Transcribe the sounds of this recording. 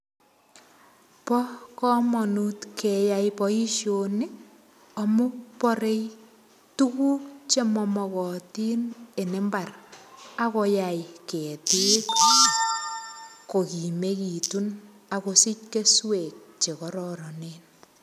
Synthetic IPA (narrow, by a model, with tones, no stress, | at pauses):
pɔ˦kɔ˦mɔnutkʰejajpɔi˦ʃjonɪ˦ | ɔ˨mo˦pɔ˦ɾe˦j | tu˦ku˦kt͡ʃe˦mɔ˧mɔ˨kɔ˨ti˦ne˨ne˦mba˨ra˦ko˧jajke˨ti˦k | ko˨ki˨meki˨tun | a˨kosi˦t͡ʃ̚ke˦swe˨k̚t͡ʃe˨kɔɾɔɾɔnen